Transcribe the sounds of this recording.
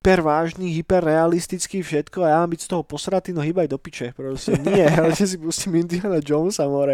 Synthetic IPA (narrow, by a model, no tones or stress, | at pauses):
pɛɾʋaːʒniɦipɛrːɛalist̪it͡skifʃɛt̪kɔajamaːmbicst̪ɔɦɔpɔsɾat̪iːnɔɦiːbajd̪ɔpit͡ʃɛpɾɔscɛnɪɛalɛʒɛs̬ipuscimind̪ianad͡ʒɔʊnsamɔɾɛ